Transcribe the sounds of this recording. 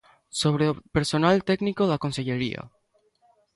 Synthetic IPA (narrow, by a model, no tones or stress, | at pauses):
soβ̞ɾepeɾsonalt̪eknikoðakonse̞ʎeɾia̰